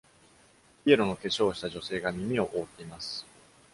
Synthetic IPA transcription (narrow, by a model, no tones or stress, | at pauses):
ie̞ɾono̞ke̞ɕo̞ːɕi̥t̪aʑo̞se̞ːɡamʲimʲio̞ʔoːt̪ːe̞imasɨ̥